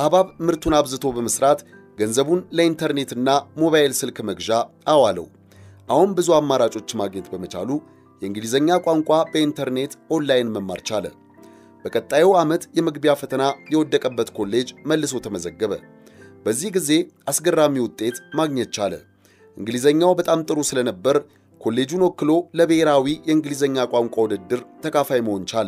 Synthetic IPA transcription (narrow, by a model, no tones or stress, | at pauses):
ʔaβaβmɨɾt̪ʰunaβzɨt̪ʰo̞bəməsɾat̪ | ɡənzəβunləint̪ʰəɾne̞t̪ɨnːamo̞βajɪlsɨlkməɡʒaʔːwalə̰w | ʔahunbɨzuamːaɾat͡ʃʼo̞t͡ʃːmaɡɲɛt̪bəmət͡ʃa̰lu | jɛɨŋɡlizəɲːakʷʼaŋkʷʼabəint̪ʰəɾne̞t̪ʔo̞nlajnməmːa̰ɾt͡ʃalə̰ | b̥əkʼət̪ʼːajɛwamət̪jɛmɨɡbjafət̪ʰənajɛwɔd̪ːəkʼəbːət̪kʰo̞lːe̞d͡ʒməlːɨs̬o̞t̪ʰəməzəɡːəβə̰ | bəzːihɡize̞ʔasɡərːamːiwʊt̪ʼːe̞t̪maɡɲɛt̪̚t͡ʃalə̰ | ʔɨŋɡɨlizəɲːawbət̪ʼamt̪ʼɨɾusɨlənəbːəɾ | kʰo̞lːe̞d͡ʒunokːɨlo̞ləβəheɾawijɛɨŋɡlizəɲːakʼaŋkʷʼawɔd̪əd̪ːɨɾt̪ʰəkʰafajməho̞nt͡ʃalə